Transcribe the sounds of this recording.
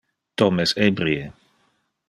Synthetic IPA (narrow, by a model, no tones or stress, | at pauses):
t̪omesebɾie